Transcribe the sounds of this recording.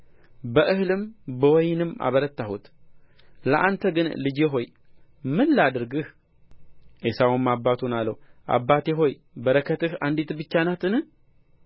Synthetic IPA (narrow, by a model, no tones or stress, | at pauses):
bəʔɨhlɨmbəwɔjnɨmʔa̰βəɾət̪ːahut̪ | ləʔant̪ʰəɡɨnlɨd͡ʒeɦo̞j | mɨnːad̪ɨɾɡɨh | ʔesawmːabːat̪ʰunalːəwʔa̰bːat̪eɦo̞j | bəɾəkʰət̪ɨhand̪it̪bɨt͡ʃːanat̪ʼɨnɨ